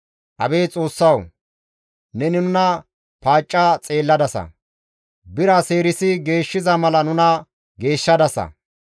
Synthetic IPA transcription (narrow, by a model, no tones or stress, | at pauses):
ʔɐbe̞ːt͡sʼo̞ːsːɐw | nɛnɪnʊnɐ | paːt͡ʃʼːat͡sʼe̞ːlːɐd̪ɐsɐ̰ | bɪɾase̞ːɾɪsɪɡe̞ːʃːɪzɐmɐlɐnʊnɐ | ɡe̞ːʃːɐd̪ɐsɐ̰